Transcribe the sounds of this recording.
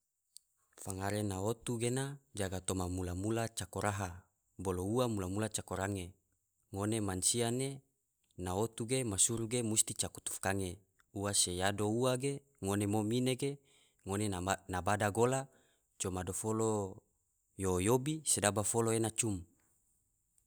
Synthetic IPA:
faŋaɾenaot̪uɡenad͡ʒaɡat̪omamulamulat͡ʃakoɾaɦa | bolouamulamulat͡ʃakoɾaŋe | ŋonemansiane | naot̪uɡemasuɾuɡemust̪it͡ʃaku̥t̪u̥fkaŋe | uwasejadouwaɡe | ŋonemomineɡe | ŋonenabadaɡola | t͡ʃomadofolo | jojobisedabafoloenat͡ʃum

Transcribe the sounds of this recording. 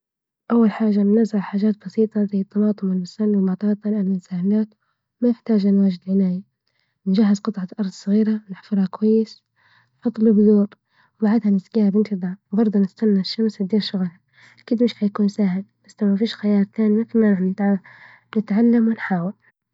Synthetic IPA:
ʔawːalħaːʒanːazʕaħaːʒaːt̪̚bɑsiːt̪ˤɑzajːɪt̪ˤːɑmɑːt̪ˤʊmɪlmʊsanːwɪmɑt̪ˤɑːt̪ˤɑlʔanːansaːhɪlaːt̪ | manɪħt̪aːd͡ʒʔanwaːʒɪd̪ʕɪnaːja | nd͡ʒaɦːɪzqɨt̪ˤʕɑʔɑɾˤd̪ˤsˤɨɣiːɾanɪħfʊɾˤhakwajːɪs | fɑd̪ˤːlubd̪uːɾ | wbaʕɪd̪hanɪzɡiːhabɪnt̪ɨd̪ˤɑwbɑɾˤd̪ˤunɪst̪anːaʃːamsɪd̪iːɾʃʊɣla | kɪd̪mɪʃħajakuːnsaːhɪlbasnawmafiːʃxajɑːɾˤt̪aːnimat̪lmanʕɪt̪ | nɪt̪ʕalːamwɪnħaːwal

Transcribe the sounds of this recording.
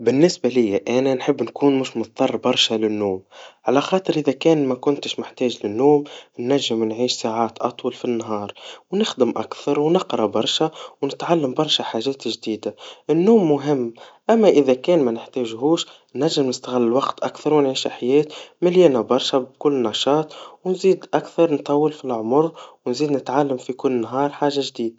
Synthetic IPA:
bɪnːɪsbalɪjːaʔænænħɪbːnkuːnmʊʃmʊt̪ˤt̪ˤːɑrˤːbɑɾˤʃalɪnːoːmʕalæxɑːt̪ˤɨɾʔɪðækɛːnmækʊnt̪əʃmʊħt̪ɛːʒlɪnːoːmnːæʒːɪmnʕiːʃsaːʕaːt̪ʔɑt̪ˤwɑlfinːɦɑːɾˤwnɪxd̪ɪmʔa̰kθɑɾˤwnɪqɾˤɑbɑɾˤʃawnɪt̪ʕalːambɑɾˤʃaħaːʒɛːt̪ʒd̪iːd̪aʔɪnːuːmːʊɦɪmːʔæmːæʔɪðækɛːnmænɪħt̪ɛːʒɦuːʃ | nːæʒːɪmnɪst̪aɣɪlːlwɑqt̪ʔakθɑɾˤwnʕiːʃɪħjɛːt̪mɪljɛːnabɑɾˤʃabkʊlːnɑʃɑːt̪ˤwnziːd̪ʔakθɑɾˤnt̪ˤɑwːəlfilʕʊmʊɾwnziːd̪nɪt̪ʕalːamfikʊlːnɦɑːɾˤħaːʒaʒd̪iːd̪a

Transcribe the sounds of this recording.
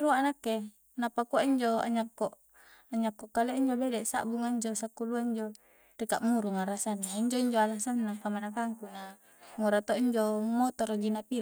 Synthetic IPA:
ɾuaʔanakːe | napakuaʔiɲd͡ʒoa̰ɲakːoʔ | aɲakːokːaleʔiɲd͡ʒobedɛʔsa̰ʔbuŋaiɲd͡ʒosakːuluaiɲd͡ʒo | rikaʔmuɾuŋaɾasanːaiɲd͡ʒoiɲd͡ʒoalasanːakamanakaŋkuna | ŋoɾat̪oiɲd͡ʒomot̪ɔɾd͡ʒinapil

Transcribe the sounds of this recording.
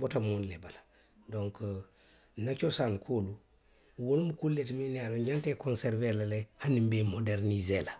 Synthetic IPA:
botamonlebala | doŋk | nat͡ʃosankʰolu | wonmukulːetminanaantekonseɾvelalehanimbemodeɾnizela

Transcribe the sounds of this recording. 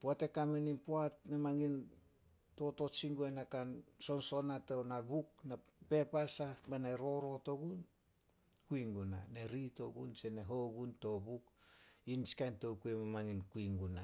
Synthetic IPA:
puate̞kameninpuatmemaŋin | to̞to̞t͡ʃiŋɡuenakanso̞nso̞natownabuk̚na | pe̞pasabanaɾo̞ɾo̞to̞ɡun | kuiŋɡuna̰ne̞ɾito̞ɡunse̞neɦo̞ɡunto̞bukinskantowkuemamaŋinkuiŋɡuna

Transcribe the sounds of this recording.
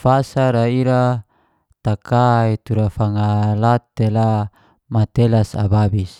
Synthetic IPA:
fasaɾaiɾa | t̪akait̪uɾafaŋalat̪ela | mat̪elasa̰babis

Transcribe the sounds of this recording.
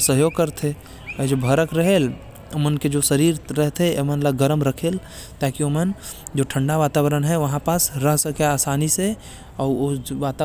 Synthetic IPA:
səɦjoːɡkəɾt̪ʰe | d͡ʒobʱəɾəkɾəɦel | ʊmənked͡ʒosəɾiːɾɾɛɦt̪ʰeemənləɡəɾəmɾəkʰeːl | t̪aːkiomən | d͡ʒoːʈʰə̃ɳɖaʋaːt̪aːʋəɾənɦɛʋɐɦãpasɾəɦsəkeaːsaːnise | ɔːoʋaːt̪a

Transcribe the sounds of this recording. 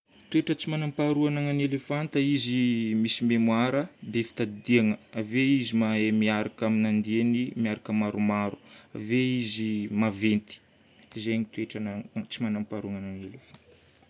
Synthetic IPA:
t̪ueʈ͡ʂət͡simanampaɾuanaŋanelefant̪əizimisimemuaɾəbefi̥t̪ad̪iaŋəaveizimaemiaɾakaminand̪ienimiaɾakəmaɾumaɾu̥a̰veizimavent̪i̥ | izeɲit̪ueʈ͡ʂanat͡simanampaɾuaŋananelefant̪

